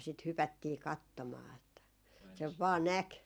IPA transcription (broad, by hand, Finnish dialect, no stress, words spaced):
sit hypætːiː kɑtːomɑː etːæ seʋ ʋɑː næk